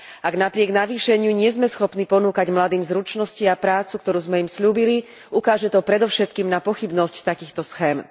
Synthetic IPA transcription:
aɡnapɾɪɛɡnaʋiːʃɛɲɪuɲɪɛzmɛsxɔpnipɔnuːkaɟmlad̪iːmzɾut͡ʃnɔsciapɾaːt͡sukt̪ɔɾuːzmɛjimsʎuːbili | ukaːʒɛt̪ɔpɾɛd̪ɔʊʃɛt̪kiːmnapɔxibnɔsct̪akiːxt̪ɔsxɛːm

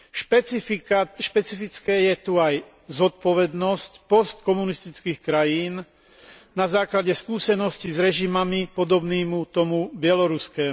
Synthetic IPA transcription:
ʃpɛfʃpɛt͡sifit͡skɛːjɛt̪uaj | zɔt̪̚pɔʋɛd̪nɔscpɔst̪kɔmunist̪it͡skiːxkɾajiːn | nazaːklaɟɛskuːsɛnɔscizɾɛʒimamipɔd̪ɔbniːmut̪ɔmubɪɛlɔɾuskɛːm

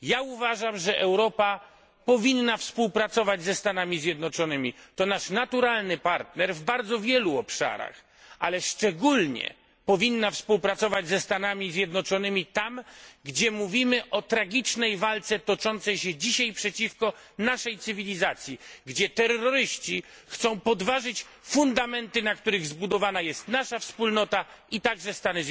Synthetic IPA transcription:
jauvaʐamʐɛʔɛwɾɔpa | pɔvʲinːafspuwpɾat̪sɔvad͡ʑzɛst̪anamʲizʲjɛd̪nɔt͡ʂɔnɘmʲit̪ɔnaʂnat̪uɾalnɘpaɾt̪nɛɾvbaɾd̪zɔvʲjɛluɔpʂa̰ɾa̰x | ʔa̰lɛʂt͡ʂɛɡulɲɛ̰ | pɔvʲinːafspuwpɾat̪sɔvad͡ʑzɛst̪anamʲizʲjɛd̪nɔt͡ʂɔnɘmʲit̪amɡd͡ʑɛmuvʲimɘʔɔt̪ɾaɡʲit͡ʂnɛjvalt̪sɛt̪ɔt͡ʂɔnt̪sɛjɕɛd͡ʑiɕajpʂɛt͡ɕifkɔnaʂɛjt̪sɘvʲilʲizat̪sʲjiɡd͡ʑɛt̪ɛɾɔɾɘɕt͡ɕixt̪sɔ̃w̃pɔd̪vaʐɘt͡ɕfund̪amɛnt̪ɘnak̚t̪uɾɘɣzbud̪ɔvanajɛst̪naʂafspulnɔt̪a | it̪aɡʐɛst̪anɪ

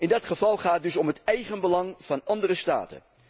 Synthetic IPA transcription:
ɪndɑtχəv̥ɑlˠχaːdɵsɔmɦətɛjχənbəlɑŋv̥ɑnɑndərəsta̰ːtə̰n

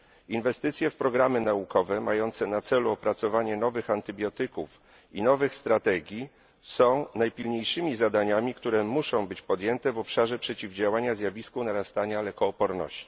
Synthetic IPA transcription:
invɛst̪ɘt̪sʲjɛfpɾɔɡɾamɘnaukɔvɛmajɔnt̪sɛnat̪sɛluɔpɾat̪sɔvaɲɛnɔvɘxant̪ɘbʲjɔt̪ɘkuf | inɔvɘxst̪ɾat̪ɛɡʲji | sɔ̃w̃najpʲilɲejʂɘmʲizad̪aɲamʲikt̪uɾɛmuʂɔ̃w̃bɘt͡ɕpɔd̪ʲjɛnt̪ɛvɔpʂaʐɛpʂɛt͡ɕivd͡ʑawaɲazʲjavʲiskunaɾast̪aɲalɛkɔːpɔɾnɔ̰ɕt͡ɕi̥

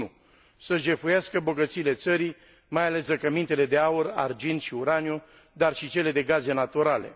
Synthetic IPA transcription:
u | səʒe̞fujaskəbo̞ɡət̪siːle̞t̪səɾi | majale̞sɾəkəmint̪e̞le̞d̪e̞aura̰rd͡ʒint̪ʃiuɾanio | d̪arʃit͡ʃe̞le̞d̪e̞ɡaze̞nat̪uɾale̞̰

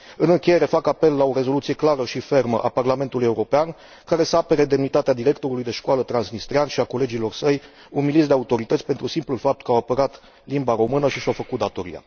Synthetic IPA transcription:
ɨnɨŋkʲeje̞ɾe̞fakape̞lːao̞ɾe̞zo̞lut̪sijeklaɾəʃife̞rməʔaparlame̞nt̪ulujeuɾo̞pean | kaɾe̞səape̞ɾed̪e̞mnit̪at̪ead̪iɾe̞kt̪o̞ɾulujd̪e̞ʃkwalət̪ɾansnist̪ɾianʃiako̞le̞d͡ʒilo̞rsəj | umilitsd̪e̞aut̪o̞ɾit̪ət̪sʲpent̪ɾusimplulfap̚t̪̚kəawapəɾat̪ | limbaɾo̞mɨnəʃiʃawfəkut̪̚d̪at̪o̞ɾḭa̰

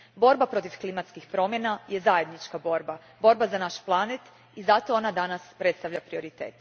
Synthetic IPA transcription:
bo̞ɾbapɾo̞t̪ifklimat̪skixpɾo̞mje̞najʔe̞zaje̞d̪nit͡ʃkabo̞ɾba | bo̞ɾbazanaʃplˠanet̪ | izat̪o̞onad̪anaspɾe̞t̪st̪aʋʎapɾio̞ɾit̪ḛːt̪

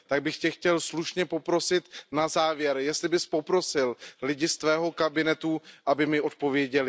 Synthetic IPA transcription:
t̪aɡ̚bɪxcɛxcɛlsluʃɲɛpo̞pɾo̞sɪt̪nazaːvjɛɾjɛst̪lɪbɪspo̞pɾo̞sɪllɪɟɪst̪vɛːɦo̞kabɪnɛt̪uʔabɪmɪʔo̞t̪̚po̞vjɛɟɛlɪ

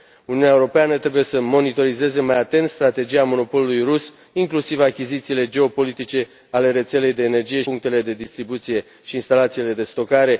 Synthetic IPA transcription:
uniuneaeuɾo̞peanət̪ɾe̞buje̞səmo̞nit̪o̞ɾize̞zemajat̪e̞nt̪st̪ɾat̪e̞d͡ʒijamo̞no̞po̞lulujrus | iŋklusivakʲizit̪siːle̞d͡ʒe̞o̞po̞lit̪it͡ʃe̞ | ale̞ɾe̞t̪se̞le̞jd̪e̞ːne̞rd͡ʒije̞uŋk̚t̪e̞le̞d̪e̞d̪ist̪ɾibut̪sije̞ | ʃiːnst̪alat̪sile̞d̪e̞st̪o̞kaɾe̞

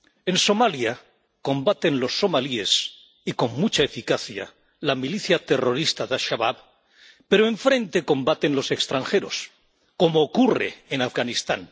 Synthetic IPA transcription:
e̞nso̞malja | ko̞mbat̪e̞nlo̞sːo̞malie̞s | iko̞ŋmut͡ʃaefikaθja̰ | lamiliθjat̪e̞ro̞ɾist̪aðaʃaβaβ | pe̞ɾoe̞ɱfɾẽ̞nt̪eko̞mbat̪e̞nlo̞se̞kst̪ɾaŋxe̞ɾo̞̰s | ko̞moːkure̞̰enafɣanist̪an

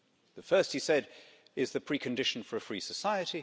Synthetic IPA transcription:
ðəfɜˑ˞st̚hisɛɾ | ɪzðɨpʰɹ̥ikʰɨ̃ndɪʃn̩fə˞ɨfɹisəsaɪɨɾi

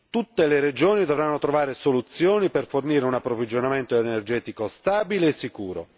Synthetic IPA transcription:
t̪ut̪ːeleɾed͡ʒoːnid̪ovɾanːot̪ɾovaːɾesolut̪sːjoːniperforniːɾeunapːɾovid͡ʒonament̪oenerd͡ʒɛːt̪ikost̪aːbileːsːikuːɾo̰

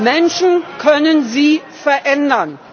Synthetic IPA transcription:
mɛnʃn̩kʰœnənziː | fɛɐʔɛndɐn

